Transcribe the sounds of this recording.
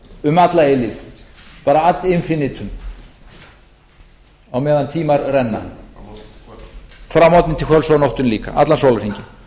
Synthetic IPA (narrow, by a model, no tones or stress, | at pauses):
ʏmat̪laelɪfpaːɾaat̪lɪnfɪnːɪt̪ʰʏm | awmɛːðant̪ʰiːmaɾrɛnːa̰ | fɾamɔt̪nɪnt̪ʰɪlkʰœlsawnɔht̪ʏnliːka̰ʔa̰t̪lansowlaɾiɲcɪ